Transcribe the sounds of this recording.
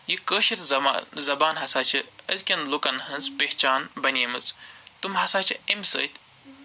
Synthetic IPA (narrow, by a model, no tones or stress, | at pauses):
jikəːʃit̪ʲzɐzɐbaːnɦɐsaːt͡ʃʰiɐzʲkʲɐnlukɐnɦɐnt͡speht͡ʃaːnbɐnʲemɨt͡st̪umɦɐsaːt͡ʃʰiɐmʲsɐ̰ːt̪ʲ